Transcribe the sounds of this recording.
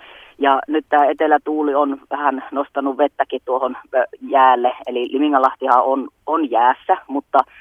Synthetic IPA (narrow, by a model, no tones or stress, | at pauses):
jɑnyt̪t̪æːet̪elæt̪uːlionʋæhænnost̪ɑnːuʋʋet̪ːækitt̪uohonjæːlːeelilimiŋːɑlɑht̪ihɑononjæːsːæmut̪ːɑ